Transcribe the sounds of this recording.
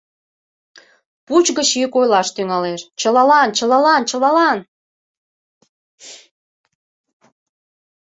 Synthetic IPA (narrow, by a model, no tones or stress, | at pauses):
put͡ɕɣət͡ɕikojlɑʃt̪yŋɑleʃt͡ɕəlɑlɑnt͡ɕəlɑlɑnt͡ɕəlɑlɑn